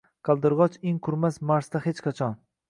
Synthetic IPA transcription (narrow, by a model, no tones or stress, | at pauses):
qʰɑlˠd̪ɪɾʁɒt͡ʃeŋqʰʊɾmasmaɾst̪ahet͡ʃqʰɑt͡ʃʰɒn